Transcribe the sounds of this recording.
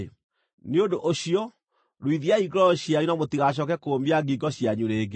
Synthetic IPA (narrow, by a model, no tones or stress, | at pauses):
neondoʔoɕiɔ | ɾowiðiaiɡɾɔɕjaɲunamotiɣaɕ̬ɔkɛkoːmbiaɡiɡɔɕjaɲuɾeːɡe